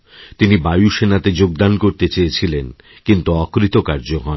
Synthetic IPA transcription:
t̪inibajuʃenat̪ed͡ʑoɡ̚d̪ankoɾt̪et͡ɕejet͡ɕʰilen | kint̪uɔkɾit̪okaɾd͡ʑoɦɔe

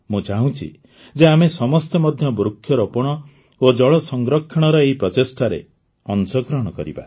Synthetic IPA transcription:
mũd͡ʒaɦũt͡ʃʰḭ | d͡ʒeamesɔmɔst̪emɔd̪ʱjɔbɾukʰːjɔɾopɔɽ̃ɔ | od͡ʒɔɭɔsɔŋɡɾɔkʰːɔɽ̃ɔɾɔeɦipɾɔt̪esʈaɾḛ | ɔnsɔɡɾɔɦɽ̃ɔkɔ̰ɾḭba̰

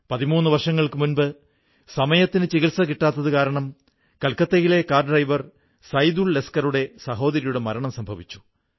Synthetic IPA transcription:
pɐðimuːnːɨʋɐrʂɐŋːɐɭkɨmunbɨ | sɐmɐjɐt̪ːinɨt͡ɕiɣilsɐkiʈːaːt̪ːɐðɨkaːɾɐɳɐm | kɐlkɐt̪ːɐjile̞kaːrɖrɐjʋɐr | sɐjd̪uɭːeskɐruɽe̞sɐɦo̞ːðɐɾijuɽe̞mɐɾɐɳɐmsɐmbʱɐʋit͡ɕːu̥

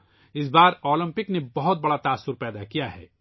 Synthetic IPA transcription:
ɪs̬baːɾɔːlə̃mpɪknebɐɦʊt̪̚bɐɽat̪aːsːʊɾpɛːd̪akijaɦɛ̰ː

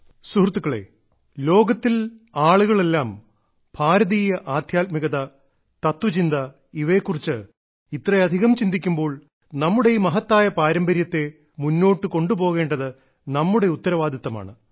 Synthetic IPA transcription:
surt̪ːukːɐɭḛ | lo̞ːɡɐt̪ːilaːɭuɣɐɭelːaːm | b̥ʰʱaːɾɐðiːjɐʔaːd̪ʱjaːt̪̚miɣɐðɐ | t̪ɐt̪ʋɐt͡ɕind̪ɐ | iʋe̞ːkːurit͡ɕːɨ | it̪rɐɐd̪ʱiɣɐmt͡ɕind̪ikʲːumbo̞ːɭ | nɐmːuɽe̞jumɐɦɐt̪ːaːjɐpaːɾɐmbɐɾjɐt̪ːe̞ | munːo̞ːʈːɨko̞ɳɖupo̞ːɣe̞ːɳɖɐðɨ | nɐmːuɽe̞ut̪ːɐɾɐʋaːd̪ʱɐt̪ːɐma̰ːɳɨ

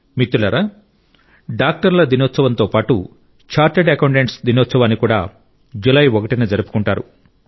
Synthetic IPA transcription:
mit̪ːulɐɾaː | ɖaːk̚ʈɐɾlɐd̪inoːt̪sɐʋɐnt̪oːpaːʈṵ | t͡ʃaːɾʈeɖɐkɐwɳʈeɳʈsd̪inoːt̪sɐʋaːnːikuːɽa̰ː | d͡ʒulɐjɔkɐʈined͡ʒɐɾupu̥kuɳʈaːɾṵ

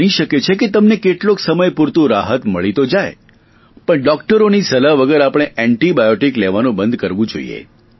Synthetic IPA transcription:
niʃəket͡ʃʰeket̪əmnekeʈlõksəməjpuɾt̪ũɾaɦət̪məɭit̪od͡ʒaj | pəɳɖɔk̚ʈəɾonisəlaʋəɡəɾapəɽ̃eʔɛɳʈibajoʈikleʋanũbənd̪̚ʱkəɾʋũd͡ʒo̰ḭjḛ

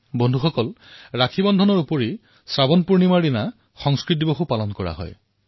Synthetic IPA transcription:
bɔndʱuxɔkɔlɹakʰibɔndʱɔnɔɹupɔɹi | sɹabɔnpuɹnimaɹina | xɔŋskɹit̬iboxupalɔnkɔɹa̰ɦɔ̰j

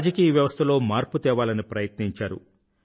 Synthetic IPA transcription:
d͡ʒɐkiːjɐʋjɐʋɐst̪ʰɐlo̞ːmaːɾput̪ɛːʋaːlɐnipɾɐjɐt̪niɲt͡ʃaːɾṵ

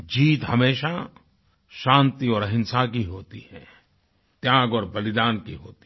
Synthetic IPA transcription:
d͡ʒiːt̪hɐmeːʃa | ʃãːnt̪iɔːɾəɦɪ̃nsakiɦoːt̪ihɛ̰̃ː | t̪jaːɡɔːɾbɐlɪd̪aːnkiɦoːt̪i̥

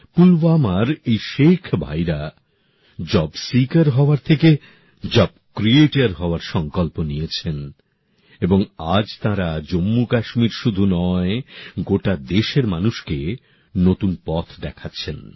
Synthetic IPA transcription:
pulvamaɾejʃekʰbʱa̰jɾa | d͡ʑɔbsikaɾɦɔoaɾt̪ʰeke | d͡ʑɔbkɾieʈaɾɦɔoaɾʃɔŋkɔlponijet͡ɕʰen | eboŋad͡ʑt̪ãɾad͡ʑomːukaʃmiɾʃud̪ʱunɔeɡoʈad̪eʃeɾmanuʃke | not̪unpɔt̪ʰd̪ɛkʰatːɕʰen

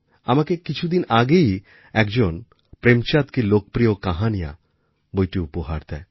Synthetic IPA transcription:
amakekit͡ʃʰud̪inaɡei | ɛkd͡ʒon | pɾemt͡ʃat̪kilok̚pɾijokaɦanija̰ | bojʈiupoɦa̰ɾt̪ɛ

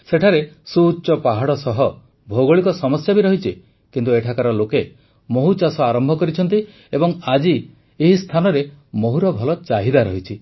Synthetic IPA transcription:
seʈʰaɾesuːt͡ʃɔpaɦaɽɔsɔɦɔ | bʱoɡoɭikɔsɔmɔsjabiɾɔɦit͡ʃʰi | kint̪ueʈʰakaɾɔloke | moɦut͡ʃasɔaɾɔmbʱɔkɔɾit͡ʃʰɔnt̪̬i | ebɔŋad͡ʒi | eɦist̪ʰanɔɾemoɦuɾɔbʱɔlɔt͡ʃaɦid̪aɾɔɦit͡ʃʰi

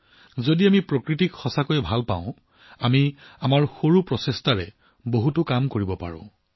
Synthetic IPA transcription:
zodiamipɹokɹitikxɔsakojɛbʱalpã̰ʊ̃ | amiamaɹxoɹupɹɔsestaɹɛ | boɦutʊkamkoɹibɔpa̰ɹɔ̰̃

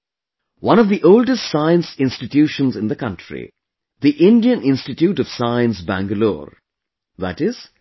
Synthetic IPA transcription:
wʌ̃nɔvd̪iʔoʊlɖəstsãɪə̃nsɪ̃nsʈɪʈjuːʃə̃nzɪ̃nd̪əkʌ̃nʈɹḭ | ðiʔɪ̃nɖiə̃nɪ̃nsʈɪʈjuːʈʌʋ̥saɪə̃nsbæ̰̃ŋɡəlo̰ːɾ | ðæ̰ʈɪz̥

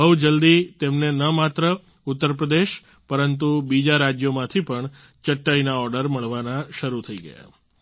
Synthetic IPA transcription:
bəwd͡ʒəld̪it̪emnenəmat̪ɾə | ut̪ːəɾpɾəd̪eʃ | pəɾənt̪̬ubid͡ʒaɾad͡ʒjomãt̪ʰipəɳ | t͡ʃəʈːainaɔɾɖəɾməɭʋanaʃəɾut̪ʰəiɡə̰ja̰

